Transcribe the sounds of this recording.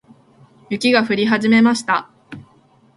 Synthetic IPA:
jɯ̟kʲiɡaɸɯ̟ɾʲiɦaʑime̞maɕi̥t̪a

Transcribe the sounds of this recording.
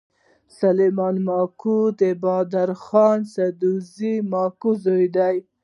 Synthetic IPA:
salemɑnmɑkud̪əbɑd̪aɾxɑnsad̪uzimɑkuzojd̪aj

